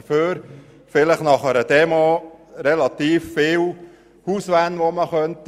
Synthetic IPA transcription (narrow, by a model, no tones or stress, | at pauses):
føːɾ | fɪləχnɑχəɾəd̥ɛmoɾɛlɑt̪iːffɪːw | huːsʋænʋoməχœnt̪